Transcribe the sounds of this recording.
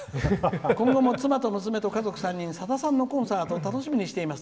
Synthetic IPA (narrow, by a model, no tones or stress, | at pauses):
kõ̞ŋɡo̞mo̞t͡sɨmat̪o̞mɯ̟s̬ɨme̞t̪o̞kazo̞kɯ̟sãɲ̟ːĩɰ̃sad̪asãnːo̞kõ̞ɰ̃saːt̪o̞t̪ano̞ɕimʲiɲ̟iɕi̥t̪e̞imasɨ̥